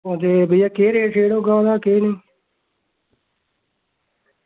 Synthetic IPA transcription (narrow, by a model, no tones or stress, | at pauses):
ot̪eːbəijaːkeːɾeːʈʰeːɽoːɡãːd̪aːkeːneː